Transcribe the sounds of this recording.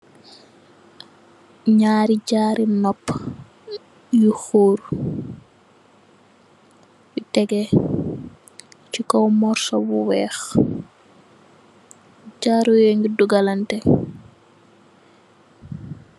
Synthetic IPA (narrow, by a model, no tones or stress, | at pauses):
ɲaːɾiɟaːɾinɔpː | juxoːɾ | jutɛɡɛ | t͡ʃikɔwmɔɾsɔbuwɛːx | ɟaːɾujɛŋɡiduɡalantɛ